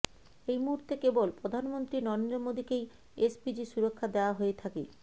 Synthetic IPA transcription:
ejmuɦuɾt̪ekebolpɾod̪ʱanmont̪ɾinɔɾend̪omod̪ikej | esbid͡ʑiʃuɾokʰːad̪eoaɦoet̪ʰakḛ

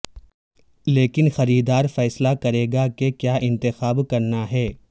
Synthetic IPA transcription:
leːkɪnxɐɾiːd̪aːɾfɛːslakɐɾeːɡakekjaːʔɪ̃nt̪ɪxaːbkɐɾnaɦɛː

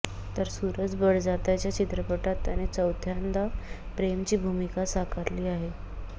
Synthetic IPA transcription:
t̪əɾsuɾət͡sbəɽd͡zat̪jat͡ɕjat͡ɕit̪ɾəpəʈat̪ːjanet͡səwt̪ʰjand̪a | pɾemt͡ɕiːbʱumikasakʰəɾliːaɦe

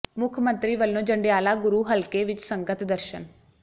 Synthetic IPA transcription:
mʊkʰmə̃nt̪ɾiːʋəlːõːd͡ʒəɳɖejaːlaːɡʊɾuːɦəlkeːʋɪt͡ʃsəŋɡət̪d̪əɾʃən

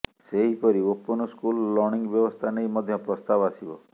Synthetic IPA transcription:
seɦipɔɾiopːunɔskulːɔɾniŋɡbjɔbɔst̪ʰanejmɔd̪ʱjɔpɾɔst̪abasibɔ

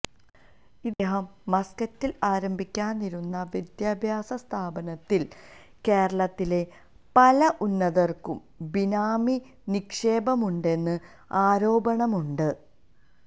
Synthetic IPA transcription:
id̪eːɦɐmːɐskɐtːilaːɾɐmbʱikʲːaːnːiɾunːɐʋid̪jaːbʱjaːsɐst̪ʰaːbɐnɐt̪ːil | ke̞ːɾɐɭɐt̪ːile̞ | pɐlɐʔunːɐðɐrkum | binaːmi | nikʂe̞ːbɐmuɳɖe̞nːɨ | aːɾo̞ːbɐɳɐmuɳɖɨ

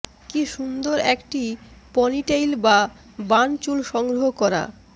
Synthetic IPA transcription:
kiʃund̪oɾɛkʈipɔniʈejlba | bant͡ɕulʃɔŋɡɾoɦokɔɾa̰

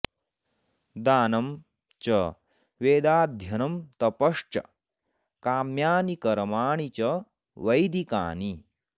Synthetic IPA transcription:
d̪aːnɐm | t͡ʃɐ | ʋeːd̪aːd̪ʱjɐnɐmt̪ɐpɐʂt͡ʃɐ̰ | kaːmjaːnikɐɾmaːɳit͡ɕɐ | ʋɐjd̪ika̰ːni

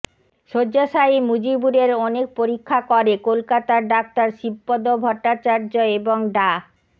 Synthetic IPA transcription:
ʃod͡ʑaʃaimud͡ʑibuɾeɾɔnek̚poɾikʰːakɔɾekolkat̪aɖak̚t̪aɾʃibːod̪obʱɔʈːat͡ɕaɾd͡ʑoeboŋɖa

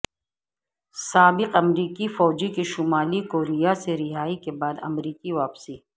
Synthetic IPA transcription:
saːbɪqɐmɾiːkifɔːd͡ʒikiʃʊmaːlikoːɾijaseɾɪɦaːikebaːd̪ɐ̰mɾiːkiʋaːpsi

